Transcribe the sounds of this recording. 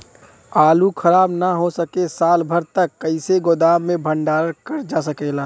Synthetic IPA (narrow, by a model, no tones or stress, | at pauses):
aːlukʰəɾaːbnaɦosəkesaːlbʱəɾt̪əkːəɪseɡod̪aːmːẽbʱəɳɖaːɾəɾkəɾd͡ʒas̬əkela